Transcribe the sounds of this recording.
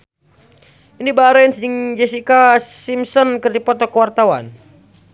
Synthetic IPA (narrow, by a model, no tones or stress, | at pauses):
inibaɾɛnsdiŋd͡ʒɛsikasimsɔnkɨrdipɔt̪ɔkəwart̪awa̰n